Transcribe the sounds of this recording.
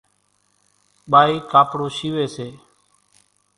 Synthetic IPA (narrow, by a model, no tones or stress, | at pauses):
ɓaːiːkaːpɽoːʃiːʋeːseː